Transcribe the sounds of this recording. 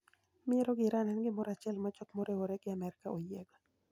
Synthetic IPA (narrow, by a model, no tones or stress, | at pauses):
mɪɛɾɔɡɪɾanɛnɡɪmɔɾat͡ʃɛlmat͡ʃɔkmɔɾewoɾɛɡɪamɛɾɪkaojɛɡɔ